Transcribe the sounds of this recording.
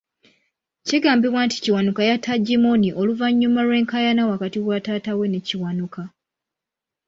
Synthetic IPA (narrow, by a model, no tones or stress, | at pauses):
ciɡaːmbiβwaːnti̥ciwanukajatʰːaɟimoniʔo̞luvaɲːumalwe̞ːŋkajanawakatiwataːtawe̞ne̞ciwanukʰa